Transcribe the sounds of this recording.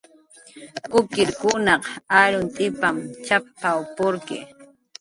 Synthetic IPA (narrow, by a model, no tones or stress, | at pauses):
kʊkɪɾkʊnɑqaɾʊnt̪ʼɪpamt͡ʃapawpʊɾkɪ̰